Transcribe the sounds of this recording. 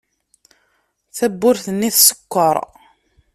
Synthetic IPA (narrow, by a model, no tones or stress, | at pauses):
θæbːʊɾθənːiθsə̥kʷːəɾˤ